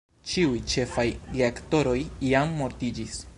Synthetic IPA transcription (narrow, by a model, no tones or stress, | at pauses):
t͡ʃiujt͡ʃe̞fajdiekto̞ɾo̞jiamːo̞ɾtid͡ʒis